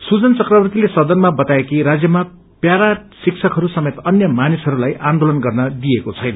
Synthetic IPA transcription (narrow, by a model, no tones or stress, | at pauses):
sud͡zʌnt͡sʌkrʌbrt̪ilesʌd̪ʌnmabʌt̪aekiɾad͡zjʌma | pjaɾasiksʰʌkɦʌɾusʌmet̪ʌnjʌmanisɦʌɾulajʔand̪olʌnɡʌrnʌd̪ijekot͡sʰʌjnʌ